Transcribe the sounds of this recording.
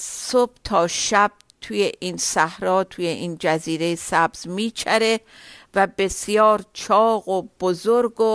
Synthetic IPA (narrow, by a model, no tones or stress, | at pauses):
sob̥̚t̪ʰɒːʃæb̥̚ | t̪ʰujeʔiːnsæhɾɒːt̪ʰujeʔiːnd͡ʒæziːɾejesæbz̥miːt͡ʃʰæɾe̞ | væbe̞sjɒːɾt͡ʃʰɒːɣob̥ozoɾɡo